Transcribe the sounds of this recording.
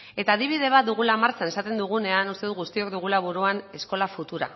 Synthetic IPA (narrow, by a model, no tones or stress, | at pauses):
e̞t̪aːðiβ̞ið̞e̞β̞at̪̚d̪uɣ̞ulamaɾt͡sane̞sat̪e̞nd̪uɣ̞une̞anust̪e̞ðuɣust̪io̞kd̪uɣ̞ulaβuɾuane̞sko̞lafut̪uɾa̰